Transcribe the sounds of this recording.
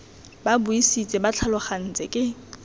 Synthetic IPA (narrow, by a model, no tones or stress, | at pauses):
babʊisit͡sʼɪbat͡ɬʰalʊχan̩t͡sʼɪkʼɪ